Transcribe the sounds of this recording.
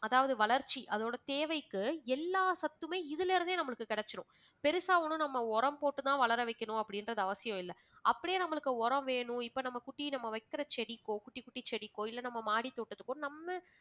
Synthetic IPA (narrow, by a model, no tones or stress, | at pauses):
ɐðaːʋɐðɯʋɐɭɐɾt͡ʃːiʔɐðoːɽɐt̪eːʋɐɪkːɯɛlːaːsɐt̪ːɯmeːɪðɯlːɾɯnd̪eːnɐmːɐɭɯkːɯkɪɽɛt͡ʃːɐnʊ̰̃ | pɛɾɯsaːʋɐnɯ̃nɐmːɐɔɾɐmpoːʈːɯt̪ãːʋɐɭɐɾɐʋɐɪkʲːɐɳʊ̃ɐpːɐɽɪnɾɐðɯɐʋɐsɪjɔ̃ɪlːɐ | ʔɐpːɐɽɪjeːnɐmːɐɭɯkːɯɔɾɐ̃ʋeːɳʊ̃ɪpːoːnɐmːɐkʊʈːinɐmːɐʋɐɪkːɪɾɐt͡ʃɛɽɪkːõːkʊʈːikːʊʈːit͡ʃɛɽɪkːõːɪlːɐnɐmːɐmaːɽit̪ːoːʈːɐt̪ːɯkːʊ̃nɐmːɐ